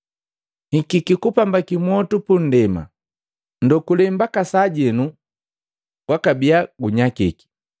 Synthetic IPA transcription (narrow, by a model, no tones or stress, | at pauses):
hikikikupambakimwɔtupun̩dɛma̰ | ndɔkulɛmbakasaɟɛnu | ɡwakabiaɡuɲakiki̥